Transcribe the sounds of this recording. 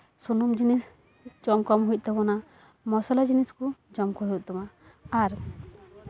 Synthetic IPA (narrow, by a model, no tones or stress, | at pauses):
sunumd͡ʒinis | d͡ʒɔmkɔmɦujc̪̚ˀt̪ɛbɔna | mɔsɔlad͡ʒiniskud͡ʒɔmkɔɦɛʔ̚t̪ɔma | aɾ